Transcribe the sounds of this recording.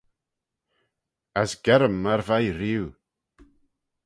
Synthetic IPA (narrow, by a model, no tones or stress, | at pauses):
asɡ̥ɛɾəmːarvajɾɪw